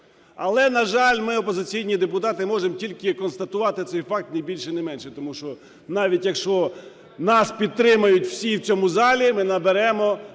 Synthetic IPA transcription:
ɐlˠɛnɐʒɑlʲmɪɔpɔzɪt͡sʲijnʲid̪epʊt̪ɑt̪ɪmɔʒemtʲilʲkɪkɔnst̪ɐt̪ʊʋɑt̪ɪt̪sɛjfɑk̚t̪nɐjbʲilʲʃɪnɪmɛnʃɛt̪ɔmuʃt͡ʃɔ | nɑʋʲitʲjɐkʃt͡ʃɔ | nɑspʲid̪̚t̪ːɾɪmɐjʊtʲw̥sʲiwt͡sʲɔmʊzɑlʲimɪnɐbeɾɛmɔ

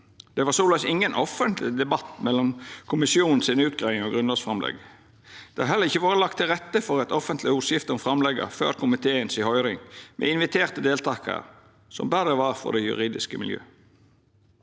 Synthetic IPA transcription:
d̪̥ɛʋɑsuːlɑsɪŋːənʔɔfənt̪lɪd̪ɛbɑt̪ːmɛlːɔmkʰʊmɪsɪuːnn̩sɪnʉːt̪̚ɡʁæɪɪŋɔɡʁʉnləsfʁɑmlɛ̰ɡ | d̪̥ɛhɑhɛlːəʁɪçːəʋoːʁəlɑk̚t̪ʰːɪlʁɛt̪ːəfɔɾɛt̪ɔfənt̪lɪuːsjɪft̪əɔmfʁɑmlɛɡə̰fø̰ːɾkʰʊmɪt̪ʰeːənsɪhɔʏɾɪŋmɛ̰ːɪnʋɪt̪ʰeːʁt̪əd̪eːlt̪ʰɑːkʰə̰ | sɔ̰mbæɾəʋɑʁfɔ̰d̪ɛjʉ̰ʁiːd̪ɪskəmɪljø̰ː

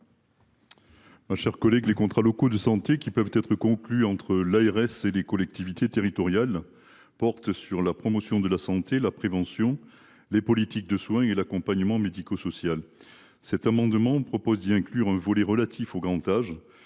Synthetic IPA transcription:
maʃɛʁkɔlɛɡlekɔ̃t̪χalɔkod̪əsɑ̃t̪ekʲipœvt̪ɛt̪χəkɔ̃klyɑ̃t̪χəlaeʁɛselekɔlɛk̚t̪ivit̪et̪eʁit̪ɔʁjal | pɔʁt̪syʁlapχɔmɔsjɔ̃d̪əlasɑ̃t̪elapχevɑ̃sjɔ̃ | lepɔlit̪ik̚d̪əswɛ̃elakɔ̃paɲəmɑ̃med̪ikosɔsjal | sɛt̪amɑ̃d̪mɑ̃pχɔpɔzd̪iɛ̃klyʁɛ̃vɔlɛʁəlat̪ʰifoɡʁɑ̃t̪aʒ

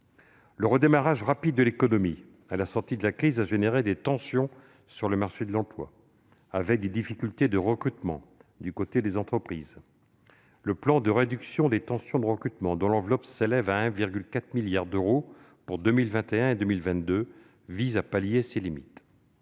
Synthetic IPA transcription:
ləʁəd̪emaʁaʒʁapid̪ːəlekɔnɔmi | alasɔʁt̪id̪əlakχizaʒeneʁed̪et̪ɑ̃sjɔ̃ | syʁləmaʁʃed̪əlɑ̃plwa̰ | avɛk̚d̪ed̪ifikʲylt̪ed̪əʁəkχyt̪mɑ̃d̪ykot̪ed̪ezɑ̃t̪χəpχiz | ləplɑ̃d̪əʁed̪yksjɔ̃d̪et̪ɑ̃sjɔ̃d̪əʁəkχyt̪mɑ̃d̪ɔ̃lɑ̃vlɔpselɛvaɛ̃viʁɡʲylkat̪χmiljaʁd̪øʁo | puʁd̪ømilvɛ̃t̪eɛ̃ed̪ømilvɛ̃t̪d̪ø | vizapaljeselimit̪

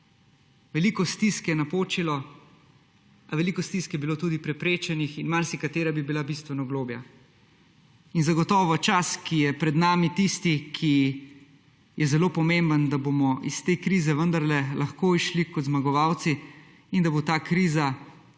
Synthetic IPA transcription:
ʋɛliːkɔst̪iskjɛnapoːt͡ʃilɔ | aʋɛlikɔst̪iskjɛbiloːt̪uːd̪ipɾɛpɾeːt͡ʃɛnixinmaɾsikat̪eːɾabibilabist̪ʋɛnɔɡloːbja̰ | inzaɡɔt̪ɔːʋɔt͡ʃaskijɛpɾɛd̪naːmit̪ist̪ikʰi | jɛzɛloːpɔmembənd̪abomɔʔist̪eːkɾiːzɛʋənd̪aɾlɛlaxkoːiʃlikɔt̪zmaɡɔʋawt̪si | ind̪abot̪aːkɾiːza

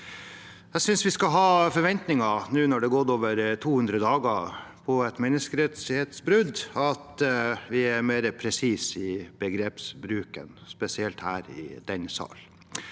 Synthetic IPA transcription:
jæsʏnsʋɪskɑɦɑːfɔɾʋɛnt̪nɪŋɑnʉːnɔɖɛɡoɾoːʋəɾt̪ʰuːhʉnd̪ɾəd̪ɑːɡɑ | pʰɔɛt̪mɛnːəskəɾɛt̪sheːt̪sbɾʉd̪ɑt̪ʋɪæɾmeːɾəpʰɾɛsiːsɪbəɡɾeːpsbɾʉːkə̰nspɛsɪɛlt̪hæːɾɪ̰d̪ɛnsɑ̰ːl

